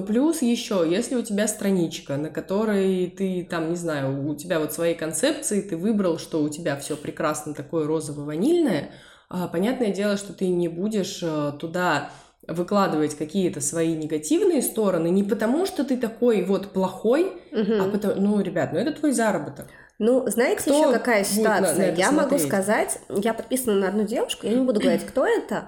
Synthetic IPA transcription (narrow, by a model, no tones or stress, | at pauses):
plʲusjɪɕːo̞jesʲlʲɪʊtʲɪbʲast̪ɾɐnʲit͡ɕkənəkɐt̪o̞ɾəjjt̪ɨt̪amnʲɪznajʊːtʲɪbʲavo̞t̪svɐjejkɐnt̪sɛp̚t̪sɨɪt̪ɨvɨbɾəlˠʂt̪o̞ʊtʲɪbʲafsʲo̞pɾʲɪkɾasnət̪ɐko̞jəɾo̞zəvəvɐnʲilʲnəjə | apɐnʲat̪nəjədʲe̞lˠəʂt̪o̞t̪ɨnʲɪbudʲɪʂət̪ʊd̪a | vɨklˠad̪ɨvətʲkɐkʲijət̪əsvɐinʲɪɡɐtʲivnɨjəst̪o̞ɾənɨnʲɪpət̪ɐmuʂt̪o̞t̪ɨt̪ɐko̞jvo̞t̪plˠɐxo̞jm̩ɦ̩ɐpət̪ɐnuɾʲɪbʲat̪nʊɛt̪ət̪vo̞jzaɾəbət̪ək | nuznajɪt̪ʲɪjɪɕːokɐkajəsʲɪɪʊat̪sɨjamɐɐɡ̪uskɐzatʲjapɐt̪̚pʲisənənəɐd̪nudʲe̞vʊʂkʊjanʲɪbud̪ʊɡɡəvɐɾʲitʲkt̪o̞ɛt̪ə